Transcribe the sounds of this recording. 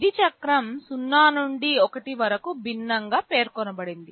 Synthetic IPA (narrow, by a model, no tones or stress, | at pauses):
d̪it͡ʃɐkɾɐmsunːaːnuɳɖiɔkɐʈiʋɐɾɐkubʱinːɐŋɡaːpe̞ːɾkɔnɐbɐɽind̪i